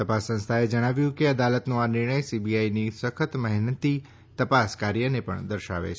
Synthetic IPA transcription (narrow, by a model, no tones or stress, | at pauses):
t̪əpasːə̃nst̪ʰaed͡ʒəɽ̃aʋjũkeəd̪alət̪nõanɪɾɳ̃əjsibiainisəkʰət̪məɦnət̪i | t̪əpaskaɾjənepə̰ɳd̪əɾʃa̰ʋḛt͡ʃʰe